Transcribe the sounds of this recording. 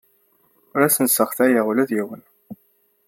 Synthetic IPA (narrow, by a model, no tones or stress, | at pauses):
ʊɾæsənsəχθæjaʁulæðjiwən